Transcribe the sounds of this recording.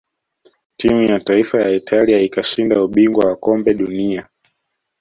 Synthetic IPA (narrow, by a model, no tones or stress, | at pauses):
timujataifajaitʰaliaikaʃindauɓiŋɡwawakɔmbɛɗunia